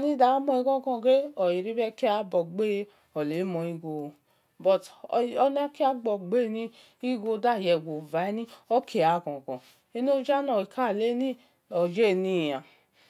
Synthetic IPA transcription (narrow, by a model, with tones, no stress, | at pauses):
nĩ˦da˨˦mɔ̃˧i˧kɔ̃˦kɔ̃˧˨ɡe˦ɔ˨i˨ɾi˦bɛ˦ki˦a˧˦bɔ˨ɡ͡be˦ | ɔ˨le˨˦mɔ̃˧i˦ɡo˧˨ | bɔ˨tɔ˧nã˦ki˦a˦ɡ͡bɔ˨ɡ͡be˦nĩ˧˦ | i˦ɡo˧da˦˨jɛ˧˨ɡo˨va˨˦nĩ˦ɔ˦kʰe˨˦a˨˦˨kɔ̃˨kɔ̃˨ | e˦no˦d͡ʒa˦nɔ̃˨i˨kʰa˦˨le˦nĩ˦ | ɔ˨d͡ʒe˦˨nĩ˦˨ã˨